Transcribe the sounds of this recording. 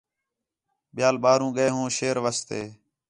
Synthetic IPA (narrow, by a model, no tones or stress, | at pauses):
ɓɪjaːlɓaːɾũːɠəeːɦũːʃeːɾʋəːst̪eː